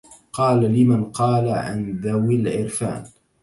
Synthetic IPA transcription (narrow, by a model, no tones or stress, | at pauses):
qɑːlalɪmanqɑːlaʕa̰nðawɪlʕɪɾfa̰ːn